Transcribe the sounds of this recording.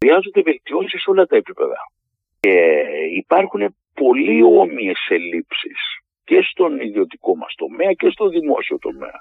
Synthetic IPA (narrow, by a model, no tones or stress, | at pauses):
ɾiɐzond̪eve̞lt̪io̞sisiso̞lɐt̪ɐe̞pipe̞̰ðɐ̰ | eipɐɾxune̞ | po̞lio̞mie̞selipsis | ce̞st̪o̞niðio̞t̪i̥ko̞mɐ̰st̪o̞me̞ɐce̞st̪o̞nðimo̞̰sio̞t̪o̞me̞̰ɐ̰